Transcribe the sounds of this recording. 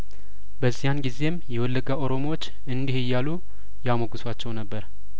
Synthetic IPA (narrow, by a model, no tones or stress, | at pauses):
bəzːijanɡize̞mjɛwɔlːəɡaʔo̞ɾo̞mowot͡ʃː | ɨnd̪ihɪjːalu | jamoɡɨswat͡ʃːɛwnəbːəɾ